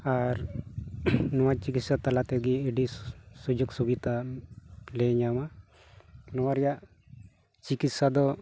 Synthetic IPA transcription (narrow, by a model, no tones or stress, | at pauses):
aɾ | nɔwat͡ʃikit̪sat̪alat̪ɛɡiːɖisud͡ʒɔksubit̪a | lɛɲama | nɔwaɾjaʔ | t͡ʃikit̪sad̪ɔ